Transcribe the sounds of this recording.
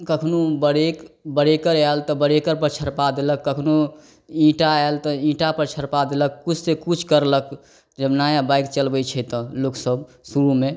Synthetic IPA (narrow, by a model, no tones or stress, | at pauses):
kəkʰnubəɽekbəɽekəɾalt̪ɔbəɽekəɾpəɾt͡ʃʰəɾpad̪eləkːəkʰnu | ĩʈaalt̪ɔĩʈapəɾt͡ʃʰəɾpad̪eləkkut͡ʃʰsekut͡ʃʰkəɾlək | d͡ʒəbnajabajkt͡ʃəlbət͡ʃʰɛt̪ə̃loksəb | suɾume